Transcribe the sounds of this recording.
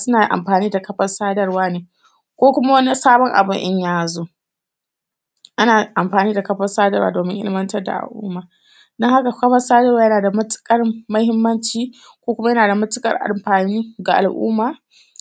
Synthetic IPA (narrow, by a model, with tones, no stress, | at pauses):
sʊ˦naː˨ʔa̰˨mɸaː˨niː˦da˨kɐ˦ɸɐ˦rsaː˦dɐ˦rwaː˦neː˨ | kʷoː˦kʷʊ˦ma˦wɐ˦ni˦saː˦bɔ˦ŋʔa̰˨bʊ˦ŋʔɪ˦ɲjaː˦zoː˦ | ʔa˦naː˨ʔa˨mɸaː˨niː˦da˨kɐ˦ɸɐ˦saː˦dɐ˦˨wa̰˦˨doː˨mɪ˦ŋʔɪ̰˦lɪ˦mɐ˦ntɐ˦rda̰˨ʔa̰˨lʔʊ̰ː˦mːaː˨ | dɔ˦ŋha˦ka˨kɐ˦ɸɐ˦saː˦dɐ˦rwaː˦jɐ˦naː˨da˨mɐ˦tɪ̥˦kʼɐ˦rmɐ˦hɪ˦mːɐ˦nt͡ʃiː˨ | kʷoː˦kʷʊ˦ma˦jɐ˦naː˨da˨mɐ˦tɪ˦kʼɐ̰˦rʔa̰˨mɸaː˨niː˦ɡa˨ʔa̰˨lʔʊ̰ː˦mːaː˨